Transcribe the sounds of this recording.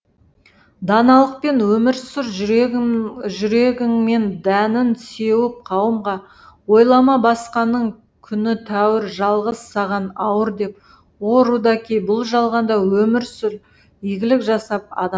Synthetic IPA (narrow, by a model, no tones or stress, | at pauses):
d̪ɑnɑlˠəq̚pe̞nwɵmɪɾsʊɾʒ | ʒʏɾe̞ɡʲɪŋme̞nd̪ænɪnse̞wɪp̚qʰɑwəmʁɑ | wo̞jlˠɑmɑbɑsqɑnːəɴ | kʲʰʏnɪt̪ʰæwɪɾʒɑlˠʁəsːɑʁɑnɑwəɾd̪e̞p | woɾud̪ɑkʲʰejbʊlˠʒɑlˠʁɑnd̪ɑwɵmɪɾsʏɾ | iɡʲɪlɪkʒɑsɑp̚ɑ̰d̪ɑ